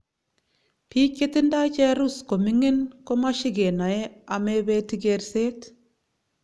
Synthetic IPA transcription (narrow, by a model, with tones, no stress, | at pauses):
pi˦kːe˦t̪i˦nda˦t͡ʃe˦ɾu˦sko˨mi˦ŋe˦nko˦ma˦ʃi˦ɡe˨na˨e˦a˨me˦be˦t̪i˦ɡe˧ɾse˦t̪